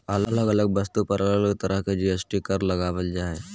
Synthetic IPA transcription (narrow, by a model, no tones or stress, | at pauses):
ɐlələɡɐləɡ̚bɐst̪upɐɾɐlələkt̪ɐɾəɦked͡ʒiəsʈikɐɾlɐɡaːʋəld͡ʒaːeː